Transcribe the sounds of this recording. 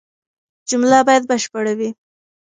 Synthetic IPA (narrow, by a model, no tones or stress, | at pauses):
d͡ʒʊmlabɑjad̪̚bəʃpaɽawi